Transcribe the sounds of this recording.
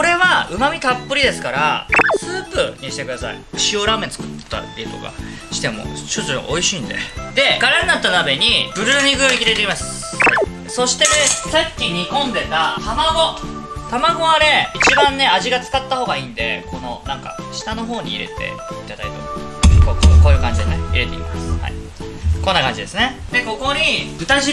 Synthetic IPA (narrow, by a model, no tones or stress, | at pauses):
oɾe̞βaɯ̟mamʲit̪apːɯɾʲid̪e̞sɨ̥kaɾasɨːpɯ̟ɲ̟iɕi̥t̪e̞kɯd̪asa̰ḭɯɕioɾamẽ̞t͡sɨ̥kɯ̟̥t̪ːa̰bʲiet̪o̞̰ka̰ | ɕi̥t̪e̞mo̞̰ɕot͡sʔo̞iɕiːnd̪e̞̰d̪e̞ɡ̥aɾanːat̪ːanabe̞ɲ̟ibɯ̟ɾɯ̟ɲʲiɡɯ̟oikʲiɾe̞t̪ekʲimasɨ̥ | so̞ɕi̥t̪e̞sakʲːiɲ̟ikõ̞nd̪e̞t̪ahamaɡo̞ | t̪amaɡo̞aɾe̞it͡ɕibãnːe̞aʑiɡat͡sɨ̥kat̪ːaho̞ːɡaiːnd̪e̞̰ko̞no̞̰nãŋka̰ | ɕi̥t̪ano̞ɦo̞ːɲ̟ḭːɾe̞̰t̪ʰe̞̰it̪ad̪a̰it̪o̰kokːko̞ːjɯ̟ːkãɲ̟d͡ʑid̪eneḭɾe̞t̪e̞̰ḭmasɨ̥ha̰ḭ | kõ̞nːakãɲd͡ʑid̪e̞sɨne̞ | d̪e̞ko̞ko̞ɲ̟iɯ̟t̪aʑi